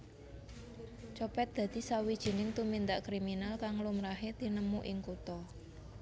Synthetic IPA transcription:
t͡ʃɔpɛt̪̚d̪̥ä̤d̪̥i̤sawid̥ʒ̥i̤nɪŋt̪umind̪aʔkɾiminalkaŋlumɾaɦet̪inəmuʔɪŋkut̪ɔ

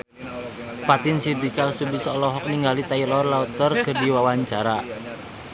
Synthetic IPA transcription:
pat̪insid̪ikalsubisɔlɔɦɔk̚niŋɡalit̪ailɔrlaut̪ərkərdiwawaɲt͡ʃaɾa

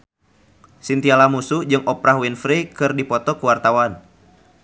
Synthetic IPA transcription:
sint̪ialamusud͡ʒɨŋʔɔpɾahwinfɾikɨrdipɔt̪ɔkuwart̪awan

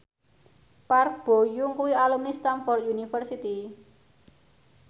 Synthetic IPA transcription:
parb̥o̤juŋkuwialumist̪anfɔrt̪̚junifərsit̪i

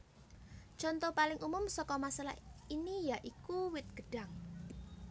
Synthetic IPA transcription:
ʒ̥ɔnt̪ɔpalɪŋʔumʊmsɔkɔmasalahinijaʔikuwɪt̪̚ɡ̥əɖ̥a̤ŋ

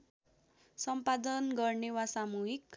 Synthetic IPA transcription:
sʌmpad̪ʌnɡʌrnewasamuɦik

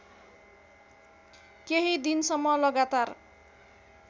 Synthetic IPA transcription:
keɦid̪insʌmːʌlʌɡat̪ar

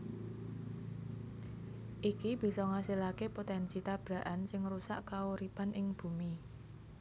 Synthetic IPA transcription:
ʔikib̥i̤sɔŋasilakepot̪ɛnsit̪ab̥ɾa̤ʔansɪŋrusa̰ʔkauɾipanʔɪŋb̥ṳmi

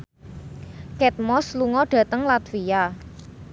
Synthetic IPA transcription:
kɛt̪̚mɔsluŋɔɖ̥ä̤t̪əŋlat̪fia

